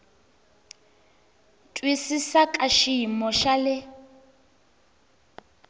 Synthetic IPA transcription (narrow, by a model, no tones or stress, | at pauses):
tʼwisisakʼaʃiimɔʃalɪ